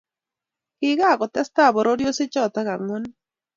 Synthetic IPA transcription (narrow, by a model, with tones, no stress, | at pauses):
hiɣaː˦˨ko˨t̪a˦st̪a˦˨bo˨ɾoɾjo˦si˦t͡ʃo˦˨t̪aɣa˨ŋon